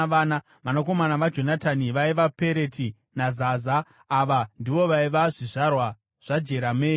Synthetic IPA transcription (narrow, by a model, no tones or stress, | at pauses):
ʋaːna | ʋanako̞manaʋad͡ʒo̞nataniʋaiʋape̞ɾe̞ti | nazaːzaː | ʋandiʋo̞ʋaiʋaʐiʐarwa | ʐ̥ad͡ʒe̞ɾameːi